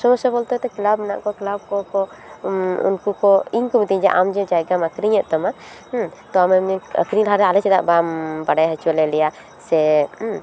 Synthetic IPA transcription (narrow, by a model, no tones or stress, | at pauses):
sɔɔsɛbɔlt̪ɛt̪ɛkilabmɛna̰ʔkɔkilab̚kɔkɔ | ṵnkukɔiɲkɔmit̪iɲd͡ʒɛʔamd͡ʒɔd͡ʒajɡaməkɾiɲɛʔ̪̚t̪ama | t̪ɔamɛə̰kɾiɲlɦaɾɛalɛt͡ʃɛd̪a̰ʔbambaɖajɦət͡ʃɔlɛlɛja | sɛ